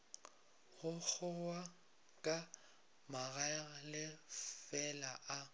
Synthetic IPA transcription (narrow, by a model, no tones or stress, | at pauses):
ɣʊk͡xʰʊwa | kʼa | maɣalɪfɛlaʔa